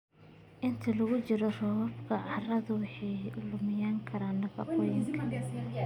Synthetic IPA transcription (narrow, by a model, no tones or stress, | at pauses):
ʔɪnt̪ʰɐlɐɣʊt͡ʃɪɾɔrɔwɐbkʰɐʕɑrɐðʊwɑħɑjlʊmɪjaːŋkʰɐɾaːnːɐkʰɐ̰qʊjɪŋkʰɐ